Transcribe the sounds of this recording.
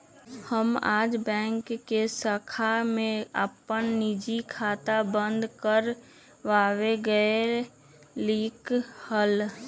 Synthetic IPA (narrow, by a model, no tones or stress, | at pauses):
həma̰ːd͡ʒbɛ̃ːŋkːesəkʰamẽə̰pənnid͡ʒikʰaːt̪abə̃nd̪kəɾ | ʋaːweɡəe | liːkhəl